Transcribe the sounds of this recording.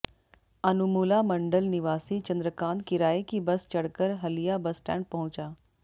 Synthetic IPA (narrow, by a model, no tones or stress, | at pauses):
ɐnumuːlamɐ̃ɳɖəlnɪʋaːsit͡ʃɐ̃nd̪ɾəkaːnd̪̚kɪɾaːikibɐst͡ʃɐɽkəɾɦɐlijabɐsʈɛ̰ːɳɖ̚pɐɦʊ̃t͡ʃaː